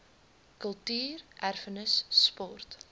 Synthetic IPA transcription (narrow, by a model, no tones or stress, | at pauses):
kəlˠtyːrʔærfənəsːpɔrt